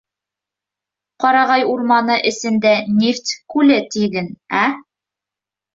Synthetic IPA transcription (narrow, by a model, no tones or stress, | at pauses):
qɑɾɑʁɑjuɾmɑnɤʔɘ̆sɘ̆nd̪ænʲeft̪kʉlɘt̪iɡɘnæ